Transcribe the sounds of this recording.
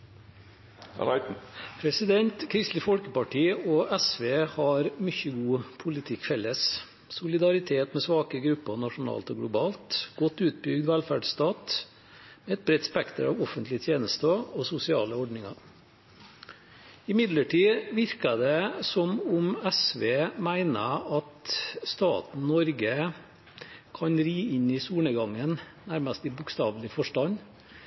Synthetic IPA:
pʰɾɛsɪd̪ɛnt̪kʰɾɪst̪lɪfɔlkəpɑʈiːɔɛsʋeːhɑɾmʏçəɡuːpʰʊlɪt̪ʰɪkfɛlːəs | sʊlɪd̪ɑɾɪt̪ʰeːt̪mɛsʋɑːkəɡɾʉpːəʁnɑʂʊn̩ɑ̰ːlt̪ɔːɡlʊbɑːlt̪ɡ̥ɔt̪ːʉːt̪̚bʏɡd̪ʋælfæɖsst̪ɑːt̪ | mɛɛt̪̚bɾɛt̪spɛkt̪əɾɑ̰ːʋɔfənt̪lɪət̪ʰjeːnəst̪əosʊsɪɑːləɔɖnɪŋɑ | ɪmɪd̪ləʈʰiːʋɪɾkəd̪ɛsɔmʊmæsʋeːmæɪnəɑt̪st̪ɑ̰ːt̪n̩nɔɾɡə | kʰɑɲɾiːʔɪɲɪsuːɳəɡɑŋːənnæɾməst̪ɪbʊkst̪ɑːʋlɪəfɔʂʈɑn

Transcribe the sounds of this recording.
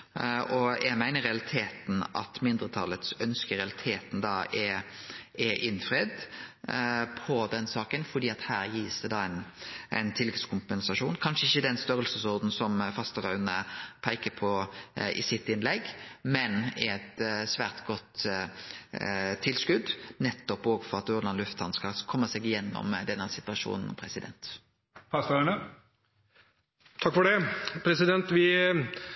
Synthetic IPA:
ɔjæmæɪnəɾɛɑlɪt̪ʰeːt̪n̩ɑ̰t̪mɪnd̪ɾət̪ʰɑlːət̪sœnskəɾɛɑlɪt̪ʰeːt̪n̩d̪ɑːɛ | ɛʔɪnfʁed̪ | pʰɔd̪ɛnsɑːkənfɔd̪iːɑt̪hæːɾjiːsd̪ɛd̪ɑːæɪnʔæ̰ɪnt̪ʰɪlːɪt̪skʰʊmpɛnsɑʂuːnkʰɑnʂəɪçːəd̪ɛnst̪œɾəlsəsɔʁd̪n̩sɔmfɑst̪əʁɑʉnəpʰæɪkəpʰɔɪ̰sɪt̪ːɪnlɛɡːmɛnɪ̰ɛt̪sʋæːʁt̪ɡɔt̪ | t̪ʰɪlskʉd̪nɛt̪ːɔpoːɡfɔʁɑt̪ʉɾɑnlʉft̪hɑnskɑkʰɔmːəsɛːɡɪjɛnːɔ̰md̪ɛnːəsɪt̪ʋɑʂṵːnn̩pʰʁɛsɪd̪ɛ̰nt̪ | pɑsæɳə | t̪ʰɑkːfɔɖɛpʰɾɛsɪd̪ɛnt̪ʋɪ

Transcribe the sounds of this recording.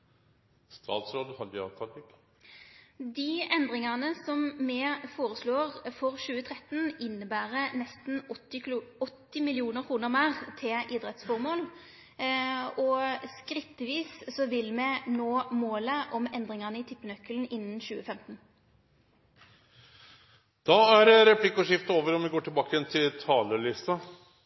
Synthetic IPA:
st̪ɑ̰ːd̪sɾoːd̪hɑld̪ɪɑt̪ʰɑlɪk | d̪ɪɛnd̪ʁɪŋɑʁnəsɔmmɛfoːʁəsloːʁfɔʁʃʉːət̪ʰʁɛt̪nɪnːəbæːʁənɛst̪n̩ | ɔt̪ːɪmɪlɪuːnəʁkʰʁuːnəʁmæːʁt̪ʰɪlʔɪd̪ʁɛt̪sfɔʁmoːl | ɔskɾɪt̪ːəʋiːssɔʋɪlmɛnoːmoːləʔɔmɛnd̪ʁɪŋɑʁnəɪt̪ʰɪpːənœkːəln̩ɪnːənɕʉːəfɛmt̪n | d̪̥ɑæɾəɾɛpʰlɪkːəɔʂɪft̪əoːʋəɾɔmʋɪɡoːʈʰɪlbɑːkəjɛnt̪ʰɪlt̪ʰɑːləɭɪst̪ɑ

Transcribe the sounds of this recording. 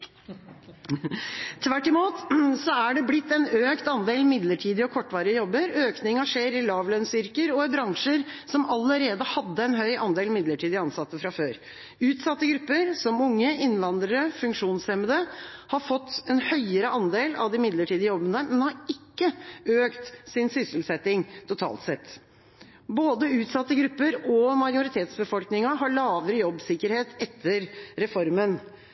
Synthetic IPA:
t̪ʰʋæʈːɪmuːt̪sɔæɖɛblɪt̪ːɛnøːkt̪ɑnd̪eːlmɪd̪ləʈʰiːd̪ɪɔkʰɔʈːʋɑːɾɪəjɔbːəɾøːknɪŋɑʂeːɾɪlɑːʋlœnsʏɾkəɾɔbɾɑŋʂəɾsɔmɑlːəɾeːd̪əhɑd̪ːəɛnɦœʏʔɑnd̪eːlmɪd̪ləʈʰiːd̪ɪɑnsɑt̪ːəfɾɑføːɾ | ʉːt̪sɑt̪ːəɡɾʉpːəɾsɔmʊŋːəɪnːʋɑnd̪ɾəɾəfʉŋkʂuːnsɛməd̪əhɑɾfɔt̪ːɛnhœʏəɾəʔɑnd̪eːlɑ̰ʋd̪ɪmɪd̪ləʈʰiːd̪əjɔbːənəmɛnhɑɾɪkːəøːkt̪sɪnsʏsəl̩sɛt̪ɪŋt̪ʰʊt̪ʰɑ̰ːlt̪sɛt̪ː | boːd̪əʉːt̪sɑt̪ːəɡɾʉpːəɾɔmɑɪʊɾɪt̪ʰeːt̪sbəfɔlknɪŋɑɦɑɭɑːʋəɾəjɔbːsɪkːəɾheːt̪ɛt̪ʰːəɾɾɛfɔɾmən

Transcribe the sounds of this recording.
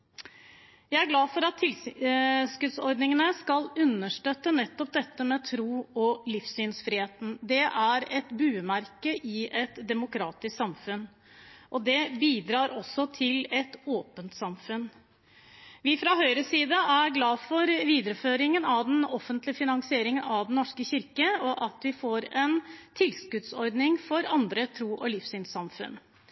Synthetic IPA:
jæɪæɾɡlɑːfɔɾɑt̪ʰːɪl | skʉt̪sɔɾɖnɪŋənəskɑlʉnːəʂʈøt̪ːənɛt̪ːɔp̚d̪ɛt̪ːəmɛt̪ʰɾuːɔlɪfsyːnsfɾɪːheːt̪n̩d̪ɛʔæɾɛt̪bʉːmæɾkəʔɪʔɛt̪d̪ɛmʊkʰɾɑːt̪ɪsksɑmfʉn | ʔɔd̪ɛbiːd̪ɾɑːɾɔsːɔt̪ʰɪlɛt̪oːpənt̪sɑmfʉn | ʋɪfɾɑɦœʏɾəsiːd̪əʔæɾɡlɑːfɔɾʋiːd̪əɾəføːɾɪŋənɑʋd̪ɛnɔfːənt̪lɪəfɪnɑŋsɪeːɾɪŋənɑʋd̪n̩nɔʂkəçɪɾkəɔʔɑt̪ʋɪfoːɾɛnt̪ʰɪlskʉt̪sɔɾd̪nɪŋfɔɾɑnd̪ɾət̪ʰɾuːʔɔlɪfsyːnsɑmfʉ̰n

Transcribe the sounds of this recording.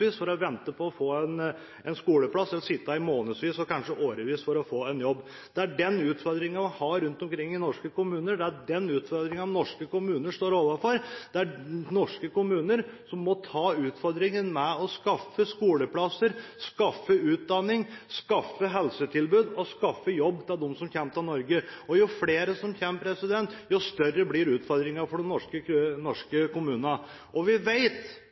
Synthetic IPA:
iːsfɔɾɔʋɛnt̪əpʰɔɔfoːɛn | ɛnskuːləplɑsːɛlsɪt̪ːɑɪmoːnəsʋiːsɔkɑnʂəʔoːɾəʋiːsfɔɾɔfoːɛnjɔbː | d̪̥ɛæɖɛnʉːt̪fɔɾd̪ɾɪŋɑʋɪhɑɾʉnt̪ɔmkʰɾɪŋːɪnɔʂkəkʊmʉːnəɖɛæɖɛnʉːt̪fɔɾd̪ɾɪŋɑʋnɔʂkəkʊmʉːnəʂt̪oːɾoːʋɑfɔɾd̪̥ɛænɔʂkəkʊmʉːnəɾsɔmːɔt̪ʰɑːʉːt̪fɔɾd̪ɾɪŋənmɛɔskɑfːəskuːləpʰlɑsəɾskɑfːəʉːt̪̚d̪ɑnːɪŋskɑfːəɦɛlsət̪ʰɪlbʉːd̪ɔskɑfːəjɔbːt̪ʰɛd̪ɔmsɔmçɛmt̪ɑnɔɾɡəɔjʊfleːɾəsɔmçɛmpɾɛsɪd̪ɛnt̪jʊst̪œrəblɪɾʉːt̪fɔɾd̪ɾɪŋɑfɔɖɛnɔʂkənɔʂkəkʊmʉːnnə | ʔɔʋɪʋeɪt̪

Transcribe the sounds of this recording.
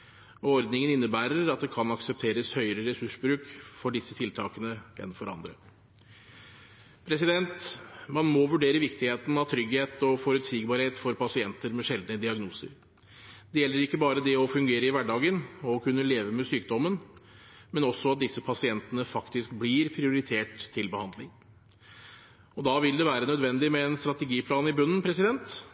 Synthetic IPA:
ɔɾd̪nɪŋənɪnːəbæːɾəɾɑt̪̚d̪ɛkʰɑnɑksɛp̚t̪ʰeːɾəshœʏəɾəɾɛsʉʂbɾʉːkfɔɖɪsːət̪ʰɪlt̪ʰɑːkənəɛ̰nfɔɾɑ̰nd̪ɾə̰ | pʰɾɛs̬ɪd̪ɛnt̪mɑnmɔʋʉɖeːɾəʋɪkt̪ɪheːt̪n̩ɑʋt̪ʰɾʏɡheːt̪ɔfɔɾʉt̪siːɡbɑːɾheːt̪fɔɾpɑsɪɛnt̪əɾmɛʂɛld̪nəd̪ɪɑɡnuːsə̰ɾ | d̪ɛjɛlːəɾɪkːəbɑːɾəd̪ɛɔfʉŋɡeːɾəɪʋæɖɑːɡənɔkʰʉnːəleːʋəmɛsyːk̚d̪ɔmːən | mɛnɔsːɔɑt̪̚d̪ɪsːəpʰɑsɪɛnt̪ənəfɑkt̪ɪskbliɾpʰɾɪʊɾɪt̪ʰeːʈt̪ʰːɪlbəhɑnd̪lɪŋ | ɔd̪ɑːʋɪld̪ɛʋæːɾənœd̪ʋɛnd̪ɪmɛːnst̪ɾɑt̪ɛɡiːpʰlɑːnɪbʉnːn̩pʰɾɛsɪd̪ɛnt̪

